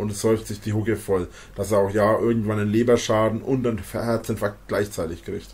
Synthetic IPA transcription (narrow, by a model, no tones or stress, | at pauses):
ʔʊntɛsz̥ɔʏftz̥ɪçd̥iːɦʊkəfɔl | d̥aseːɐaʊxjaːʔɪɐɡŋ̩tv̥ananleːbɐʃaːdn̩ʔʊntanfɛɐhɛɐt͡sɛnfak̚tɡ̥laɪçt͡saɪtɪçkʁ̥ɪçt